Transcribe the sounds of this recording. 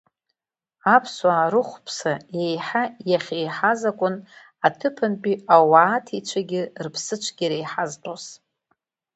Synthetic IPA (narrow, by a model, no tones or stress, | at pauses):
apʰswaːɾɨχʷpʰsaejħajaχʲejħazakʷʼʊn | atʰɨpʰanpʼiawaːtʰit͡ʃʷʰaɡʲɪrpʰsɨt͡ʃʷʰɡʲiɾejħaztʼos